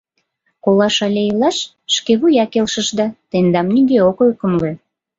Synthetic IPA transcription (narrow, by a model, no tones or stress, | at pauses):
kolɑʃɑlʲeilɑʃ | ʃkeβujɑkelʃəʃd̪ɑt̪end̪ɑmniɡeokølkəmle